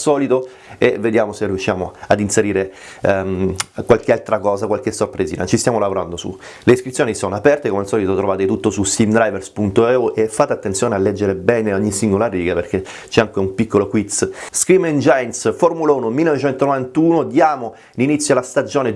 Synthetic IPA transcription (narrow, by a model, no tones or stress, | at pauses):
sɔːlit̪o | eved̪jaːmoseriuʃːjaːmoad̪inseɾiːɾe | kwalk̟ealt̪ɾakɔːzakwalk̟esːorpɾeziːnat͡ʃist̪jaːmolavoɾa̰nd̪osṵleiskɾit̪sjoːnisonoapɛrt̪ekomealsɔːlit̪ot̪ɾovaːt̪et̪ut̪ːosust̪ivd̪ɾajverspunt̪oɛuʔefːat̪ːeat̪ːent̪sjoːnealːɛd͡ʒːeɾebɛːneoɲːisiŋɡolariːɡaperk̟e | t͡ʃɛaŋkeumpikʰːolokwit̪sskɾimend͡ʒajnsformulauːnomilːenovet͡ʃɛnt̪onovant̪uːnod̪jaːmo | linit̪sjolast̪ad͡ʒoːne